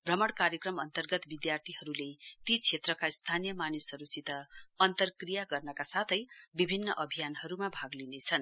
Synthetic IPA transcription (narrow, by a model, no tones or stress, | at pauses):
bʱrʌmʌɽkaɾjekrʌmʌnt̪ʌrɡʌt̪bid̪jart̪ʰiɦʌɾulet̪it͡sʰet̪rʌkast̪ʰanijʌmanisʌɾut͡sit̪ʌʌnt̪ʌrkrijaɡʌrnʌkasat̪ʰʌjbibʱinːʌʔʌbʱijanɦʌɾumabʱaɡlinet͡sʰʌn